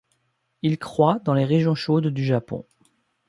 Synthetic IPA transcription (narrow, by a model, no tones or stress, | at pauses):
ilkχwad̪ɑ̃leʁeʒjɔ̃ʃod̪ːyʒapɔ̰̃